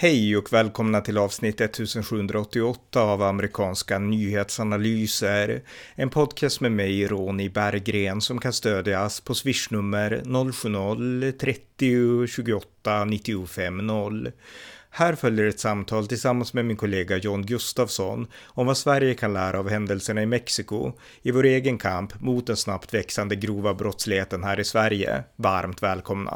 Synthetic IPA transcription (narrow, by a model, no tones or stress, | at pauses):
hɛjɔkvɛːlkʰɔmnat̪ʰɪlɑːvsnɪt̪ːɛt̪ʰːʉ̟ːsənɧʉːɵnd̪ɾaɔt̪ːɪɔt̪ːaːvamɛɾɪkʰɑːnskanyːheːt̪sanalyːsəɾɛnpʰɔd̪kʰɛːst̪mɛːmɛjɾoːnɪbæɾɡɾeːnsɔmkʰanst̪øːd̪jaspʰɔsvɪʂɳɵmːəɾnɔlːɧʉ̟ːnɔlt̪ʰɾɛt̪ːɪʊɕʉ̟ːɡʊɔt̪ːanɪt̪ːɪʊfɛmːnɔlː | hæːɾfœljəɾɛt̪samt̪ʰɑːlt̪ʰɪlsamːansmɛmɪnkʰʊleːɡajɔːnɡɵst̪avsɔnɔmvasvæɾjəkʰanlæːɾʔaːvhɛnd̪əlsəɳaɪmɛksɪkʊ̰ | ɪvoːɾeːɡənkʰampmʊt̪̚d̪ɛnsnapt̪vɛksand̪əɡɾuːvabɾɔt̪slɪheːt̪ənɦæːɾɪsvæɾjə̰vaɾmt̪vɛːlkʰɔmna̰